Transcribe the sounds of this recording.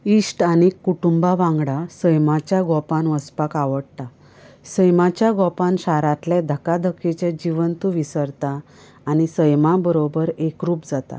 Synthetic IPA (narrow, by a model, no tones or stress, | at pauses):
isʈanekːuʈumbaʋãŋɡɽasəjmat͡ɕjaɡɔpãnʋəspakaʋəɽt̪a | səjmat͡ɕjaɡɔpãnɕaɾat̪lɛd̪ʱəkad̪ʱəkʰet͡ɕãd͡ʑiʋənt̪uʋisəɾt̪aː | ñisəjmabəɾobəɾekɾuːpd͡zat̪a̰